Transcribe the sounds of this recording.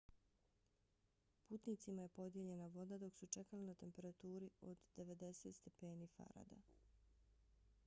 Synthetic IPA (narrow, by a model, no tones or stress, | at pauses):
puːt̪nit̪simaje̞po̞d̪je̞ʎe̞naʋo̞d̪ad̪o̞ksut͡ʃe̞kalinat̪e̞mpe̞ɾat̪uːɾio̞d̪d̪e̞ʋe̞d̪e̞se̞ːt̪st̪e̞pe̞ːniːfa̰ɾa̰d̪a̰